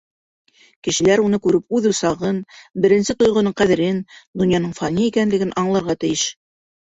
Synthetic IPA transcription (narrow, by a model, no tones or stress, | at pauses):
kɘ̆ʃɘ̆læɾunɤkʉɾɘp̚ʉðʉsɑʁɤnbɘ̆ɾɘ̆nsɘt̪ŏjʁŏnɤɴqæðɘ̆ɾɘnd̪ŏnjɑnɤɴfɑnʲiikænlɘ̆ɡɘnʔɑɴlˠɑɾʁɑt̪ɘ̆jɘʃ